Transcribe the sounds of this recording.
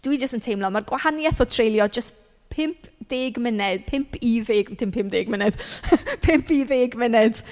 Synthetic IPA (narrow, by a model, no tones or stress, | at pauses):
d̥wid͡ʒəstəntʰejmlˠɔmarɡwahanjɛθɔtʰrejlˠjɔd͡ʒəs | pʰɪmpʰd̥eːɡmɪnɛd̥pʰɪmpʰiðeːɡtʰɪmpʰɪmp̚d̥eːɡmɪnɛd̥pʰɪmpʰiðeːɡmɪnɛd̥